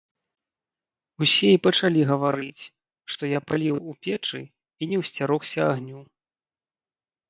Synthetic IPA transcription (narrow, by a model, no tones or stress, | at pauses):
usʲɛipɐt͡ʂalʲiɣɐvaɾɨt͡sʲ | ʂt̪ɔjapalʲiwupʲɛt͡ʂɨ̰ | inʲɛwsʲt͡sʲaɾɔxsʲɐaɣnʲuw